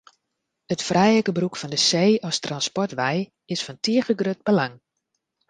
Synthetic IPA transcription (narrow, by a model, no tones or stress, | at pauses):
ətfrɛjəkəbrukfɔndəseːɔstranspɔrtʋɛj | ɪsfɔntʰiəɣəɡrøt̚bəlaŋ